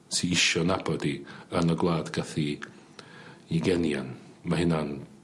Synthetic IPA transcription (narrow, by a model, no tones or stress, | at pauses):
siɪʃɔnabɔdiənɔɡlˠaːdɡaθi | iɡɛnja̰n | mahɪnan